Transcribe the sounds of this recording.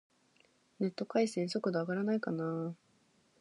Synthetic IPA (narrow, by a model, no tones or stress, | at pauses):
ne̞t̪ːo̞kaisẽɰ̃sokɯ̟d̪oaɡaɾanaikanaː